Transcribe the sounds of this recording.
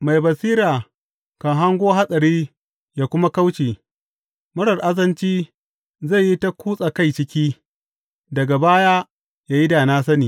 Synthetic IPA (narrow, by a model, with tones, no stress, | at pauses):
ma˨jbɐ˨siː˦ɾaː˨ | kɐ˨ŋɦa˦ŋɡʷoː˦ɦa˦sʼɐ˨ɾiː˦ | jaː˨kʷʊ˦ma˦ka˦wt͡ʃiː˨ | mʊ˦ɽɐ˨rʔa˦zɐ˦nt͡ʃiː˦ | za˦˨jːi˦ta˦kʷuː˦sʼa˨ka˦jt͡ʃɪ˦kʲiː˦ | dɐ˨ɡa˨baː˦ja˦ | jaː˨ji˦daː˨naː˦sɐ˦niː˨